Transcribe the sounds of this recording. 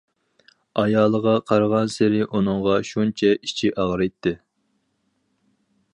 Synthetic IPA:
ɑjɑːlˠəʁɑqʰɑɾʁɑnsɪɾɪʔunɨŋʁɑʃunt͡ʃʰɛit͡ʃʰiʔɑʁɾɨjt̪ʰːɪ

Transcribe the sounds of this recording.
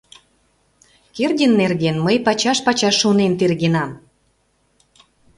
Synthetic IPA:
kerdʲənːerɣenməjpɑt͡ɕɑʃpɑt͡ɕɑʃːunent̪erɣenɑm

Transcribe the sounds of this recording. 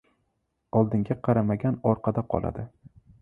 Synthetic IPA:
ɒlˠd̪ɪŋɡʲaqʰɑɾamaɡʲanɒɾqʰɑd̪aqʰɒ̰lˠa̰d̪ɪ

